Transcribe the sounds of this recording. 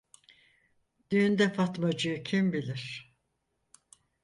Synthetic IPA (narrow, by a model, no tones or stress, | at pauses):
d̪̥yːnd̪ɛfat̪mad͡ʒɯjɯcʰimbilʲiɾ̥